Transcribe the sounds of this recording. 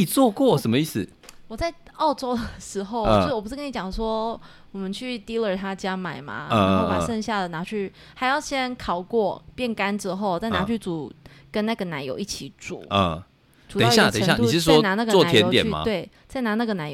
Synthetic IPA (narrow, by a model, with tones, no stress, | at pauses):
t͡swɔ˥˧kwɔ˥˨ʂə˧˦mə˦i˥˩sɨ˨˩ | wɔ˨˩t͡sa˥˩ɪɑ˥˩ʊʈ͡ʂo˥ʊd̪ə˨ʂɻ̩˧˥xo˥˧ʊ˧˥wpu˧˥kə˥ni˧t͡ɕjɑ˨˩ŋʂwɔ˦˥ | wɔ˨˩mə˦nt͡ɕʰy˥˩t̪i˥lə˨t̪ʰa˦t͡ɕja˥ma˨˩ɪma̰˩na˧˩˧xo˥˩pa˨˩ʂə˥˧ŋɕja˥˩d̪ə˩na˧˥t͡ɕʰy˥˩ | ha˧˥ɪjɑ˥˩ʊɕjɛ˥nkʰɑ˨˩ʊkwɔ˥˩pjɛ˥˩nka˥˦nʈ͡ʂɻ̩˥xo˥˩ʊt͡sa˥˩ɪna˧˥t͡ɕʰy˥˩t͡su˨˩˦kə˦nna˥˩ɡə˩na˧˥ɪjo̰˨ʊi˥˩t͡ɕʰi˧˥˦t͡sṵ˨˩˦ə˥˧ | tʈ͡ʂu˨˩e˨˩˥ɕja˥˧˨t̪e˨˩˧ɕja˥˨˥i˧˥˧awɔ˥na˧˥na˥˩ɡə˨wɔ˥˨ta˧˥jɛ˧˦jot̪jɛ˨n˥ma̰t̪we˥˩ɪ | t͡sa˥˩ɪna˧˦na˥˩ɡə˩na˧˥j